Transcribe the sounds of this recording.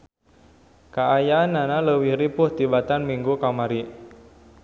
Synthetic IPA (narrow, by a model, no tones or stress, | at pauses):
kaːjaːnanaləwihɾipʊht̪ibat̪anmiŋɡukamaɾi